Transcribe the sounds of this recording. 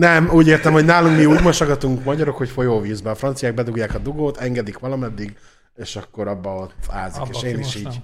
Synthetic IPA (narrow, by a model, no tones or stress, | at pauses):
nɛmuːɟeːrt̪ɛmho̞ɟnaːluŋkmiuːɟmo̞ʃɒɡɒt̪uŋkmɒɟɒɾo̞kho̞cfo̞joːviːzbɛːfrɒnt̪sijaːɡ̚bɛd̪uɡjaːkɒd̪uɡoːt̪ɛŋɡɛd̪ikʋɒlɒmɛd̪ːiɡ | eːʃɒkːo̞ɾɒbːɒot̪a̰ːzikeːʃeːniʃiːɟ